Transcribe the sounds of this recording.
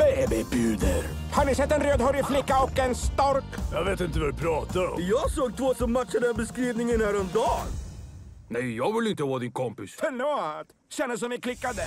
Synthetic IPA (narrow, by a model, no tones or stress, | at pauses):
bejbɪbʉːd̪əɾ | hanɪsɛt̪ːɛnɾøːd̪hɔɾɪflɪkːaɔkɛnst̪ɔɾkjɑveːt̪ɪnt̪əvɛdpʰɾɑːt̪aɾɔ̰mjɑːɡsoːɡ̚t̪ʰvoːsɔmːat̪ːʂad̪ɛnbəskɾiːvnɪŋənhæːɾɔmd̪ɑːɡ | nɛjjɑːvɪlɪnt̪əwɔd̪ɪnkʰɔmpɪsfɛnɔt̪ | ɕɛnːəs̬ɔmɪkʰlɪkːad̪ə